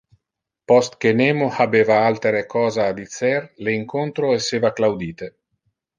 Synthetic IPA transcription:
pɔst̪k̟eneːmohabeːvaalt̪eɾekɔːzaːd̪it̪serleiŋkont̪ɾoeseːvaklawd̪iːt̪e

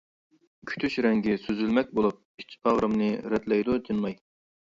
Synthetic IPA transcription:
kʲʰy̥t̪ʰyʃɾɛŋɡʲisøzylmɛk̚ʲbolˠup̚i̥t͡ʃʰːpʰɑʁɾɨmnɨɾɛt̪lɛjd̪ut̪ʰɨnmɑj

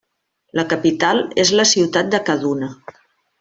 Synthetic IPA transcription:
ləkəpit̪alˠezləsiwt̪at̪̚d̪əkəðunə

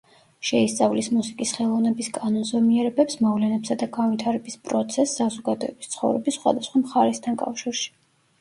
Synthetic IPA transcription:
ʃɛist̪sʼavlismusikʼisχɛlˠɔvnɛbiskʼanɔnzɛmiɛɾɛbɛpsmɔvlɛnɛpsad̪aɡanvit̪ʰaɾɛbispʼɾɔt̪sʰɛsːazɔɡad̪ɔɛbist̪sʰχɔ̰vɾɛbisːχwa̰d̪asχwamχaɾɛst̪ʰankʼa̰fʃiɾʃi̥

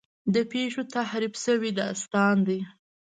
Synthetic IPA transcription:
d̪əpeʃot̪ahɾibsəwid̪ɑst̪ɑnd̪i

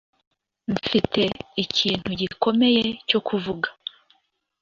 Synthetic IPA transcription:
ɱ̩fite̞icʰiːn̥huɟiko̞me̞jeco̞kʰuvuɡa

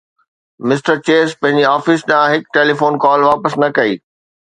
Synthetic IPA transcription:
mɪsʈəɾt͡ɕeːspɐ̃ɦɪ̃ɲd͡ʑiaːfɪsɗɐãɦɪkʈeːlifoːnkɔːlʋaːpəsnɐkɐiː

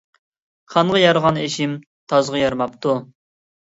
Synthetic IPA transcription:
qʰɑnʁɑjɑɾʁɑneʃɪm | t̪ʰɑzʁɑjɑɾmɑp̚t̪u

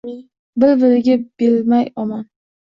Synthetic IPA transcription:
bɪlbɪɾɪɡʲab̥elmajɒman

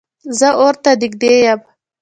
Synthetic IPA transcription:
zəoɾt̪ad̪ɪɡ̚d̪ejam

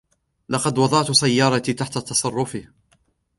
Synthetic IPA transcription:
lɑqɑd̪wɑd̪ˤɑʔt̪sajːɑːɾˤɑt̪it̪aħt̪at̪ɑsˤɑrˤːʊfɪ

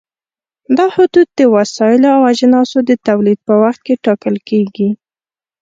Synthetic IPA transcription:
d̪ɑhʊd̪ud̪̚d̪əwasɑɪloawad͡ʒnɑsod̪ət̪awlid̪̚pəwaxt̪̚keʈɑkəlkeɡi

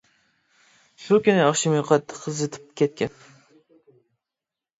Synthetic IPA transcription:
ʃukʲinɪɑχʃimɨjqʰɑt̪ʰːqʰːəzɨt̪ʰɪ̥p̚kʲɛt̪̚kʲɛn

